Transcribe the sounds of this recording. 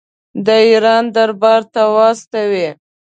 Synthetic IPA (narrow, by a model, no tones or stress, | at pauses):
d̪əiɾɑnd̪aɾbɑɾt̪awɑst̪awi